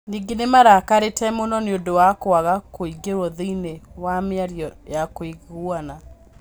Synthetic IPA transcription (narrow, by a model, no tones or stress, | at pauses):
niːŋɡenemaɾakaɾetɛmonɔneondowakoaɣakoiɡeɾoðinewameaɾjɔjakoiɣɣwana